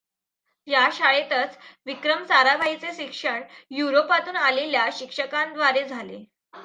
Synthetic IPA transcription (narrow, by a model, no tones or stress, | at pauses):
jaɕaɭet̪ət͡sʋikɾəmsaɾabʱaɦit͡seɕikʂəɳjuɾopat̪uːnaleljaɕikʂəkãnd̪ʋaɾed͡zʱalḛ